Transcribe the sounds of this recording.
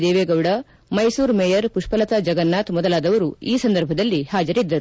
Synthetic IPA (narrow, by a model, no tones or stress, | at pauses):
d̪eːʋeːɡɐwɽɐ | mɐjsuːɾmɛjɐɾpuʂpɐlɐt̪ɐd͡ʒɐɡɐnːaːt̪mɔd̪ɐlaːd̪ɐʋɐɾuiːsɐnd̪ɐɾbʱɐd̪ɐlːihaːd͡ʒɐɾid̪ːɐɾu